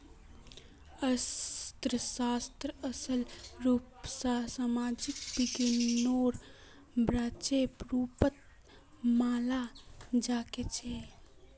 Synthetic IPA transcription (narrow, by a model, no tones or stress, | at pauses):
əst̪ɾəsaːst̪ɾəəsəlɾuːpsasamad͡ʒik̚biɡinoːɾ | bɾaːt͡ʃepɾuːpət̪̚ | maːlad͡ʒaket͡ʃʰe